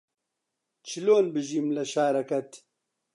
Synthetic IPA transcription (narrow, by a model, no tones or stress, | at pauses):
t͡ʃʰiloːnbɨʒiːmlɐʃaːɾɐkɐt̪